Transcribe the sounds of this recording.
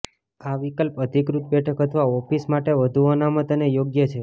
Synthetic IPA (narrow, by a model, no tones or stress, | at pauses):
aʋikəlpəd̪ʱikɾut̪̚bɛʈʰəkɦət̪ʰʋaɔfismaʈeʋəd̪ʱuənamət̪ənejoɡjət͡ʃʰe